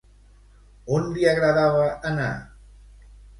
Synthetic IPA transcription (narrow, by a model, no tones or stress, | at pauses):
onliəɣɾəðaβəːna̰